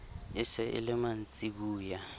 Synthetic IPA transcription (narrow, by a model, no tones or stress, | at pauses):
ɪsɛʔɪ̰lɪmant͡sʼik̬uːja